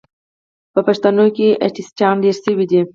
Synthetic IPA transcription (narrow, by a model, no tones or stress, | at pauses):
pəpaʃt̪anokeʔaʈisʈjɑnleɾʃəwid̪i